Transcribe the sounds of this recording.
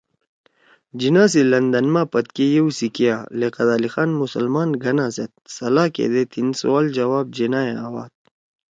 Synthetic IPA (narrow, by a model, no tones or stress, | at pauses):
d͡ʑinaːs̬ilɐnd̪ɐnmaːpɐt̪kejewsikjaːleqɐd̪aːlixaːnmusɐlmaːnɡɐnaːset̪̚sɐlaːkḛd̪et̪insowaːld͡ʑɐwaːb̚d͡ʑenaːeawaːt̪̚